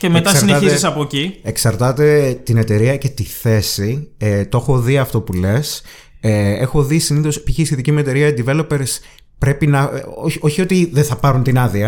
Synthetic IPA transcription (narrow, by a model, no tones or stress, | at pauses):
cemetk̪ɐsɐɾineɐtçizisɐpocieksɐɾt̪ɐt̪e̞t̪ine̞t̪e̞ɾiɐce̞t̪iθe̞siet̪oxo̞ðiɐft̪o̞pule̞s | ee̞xo̞ðisiniθo̞spiçist̪iðicimue̞t̪e̞ɾiɐed̪ivelo̞peɾs | pɾe̞pinɐoo̞çio̞t̪iðeθɐpɐɾunt̪inɐðiɐ